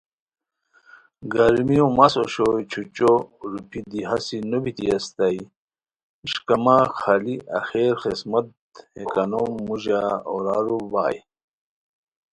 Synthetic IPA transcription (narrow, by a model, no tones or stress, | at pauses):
ɡɐɾmijõmɐsoɕojt͡ɕʰut͡ɕoɾupʰid̪iɦɐsinobit̪iɐst̪ɐi | iɕkɐmaxaliʔɐ̰xeːɾxismɐt̪ | hekɐnomːuʑaoɾaːɾuba̰ːj